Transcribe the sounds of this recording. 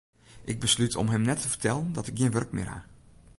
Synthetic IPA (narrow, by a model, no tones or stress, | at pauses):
ʔɪɡ̚bəslytʰɔ̰mɦɛmnɛtʰəvərtɛləndɔtɪkɡiːnʋørkmɪ̰ːrha̰